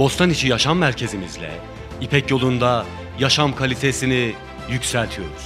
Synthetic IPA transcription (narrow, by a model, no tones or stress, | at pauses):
bo̞st̪ʰanit͡ʃʰijaʃamːæɾcʰe̞zimizlʲɛ̰ | ipʰɛcjo̞lˠund̪a | jaʃamkʰalʲit̪ʰe̞sini | jycsælʲt̪ʰijo̞ɾuz̥